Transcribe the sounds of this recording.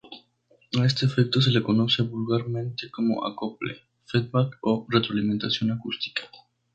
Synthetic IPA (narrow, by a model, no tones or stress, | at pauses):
aes̬t̪eːfek̚t̪os̬elekonosebulɡaɾmẽnt̪ekomo̰ʔa̰koplḛ | fed̪̚bakoret̪ɾoaliment̪asionakust̪i̥kḁ